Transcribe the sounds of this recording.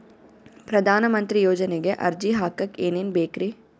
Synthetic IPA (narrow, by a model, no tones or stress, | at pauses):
pɾɐd̪ʱaːnɐmɐnt̪ɾijoːd͡ʒɐneɡeʔɐɾd͡ʒiɦaːkɐkeːneːnbeːkɾi